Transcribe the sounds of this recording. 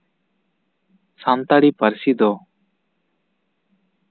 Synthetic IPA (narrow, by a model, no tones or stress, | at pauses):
sant̪aɽipəɾsid̪ɔ